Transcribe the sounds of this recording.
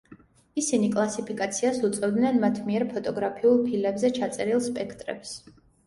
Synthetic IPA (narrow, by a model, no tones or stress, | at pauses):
isinikʼlˠasipʰikʼat̪sʰiasut̪sʼɛvd̪nɛnmat̪ʰmiɛɾpʰɔt̪ʼɔɡɾapʰiulˠpʰilɛbzɛt͡ʃʰat̪sʼɛɾilˠspʼɛkʰt̪ʼɾɛ̰ps